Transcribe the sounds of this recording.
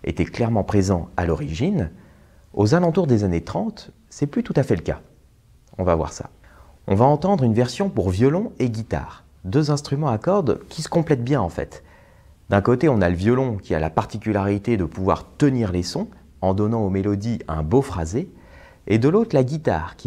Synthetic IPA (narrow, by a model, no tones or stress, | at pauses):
ḛt̪ɛklɛʁmɑ̃pχezɑ̃alɔʁiʒin | ozalɑ̃t̪uʁd̪ezanet̪χɑ̃t̪ | sɛplyt̪ut̪afɛləka̰ | ɔ̃vavwa̰ʁsa̰ | ɔ̃vaɑ̃t̪ɑ̃d̪ʁynvɛʁsjɔ̃puʁvjɔlɔ̃eɡʲit̪a̰ːʁ | d̪øzɛ̃st̪χymɑ̃akɔʁd̪kʲisə̥kɔ̃plɛt̪̚bjɛ̃ɑ̃fɛ̰t̪ | d̪ɛ̃kot̪eɔ̃naləvjɔlɔ̃kʲia̰la̰paʁt̪ikʲylaʁit̪ed̪əpuvwa̰ʁt̪əniʁlesɔ̃ | ɑ̃d̪ɔnɑ̃omelɔd̪iɛ̃bofχazeː | d̪əlot̪χlaɡʲit̪a̰ːʁkʲi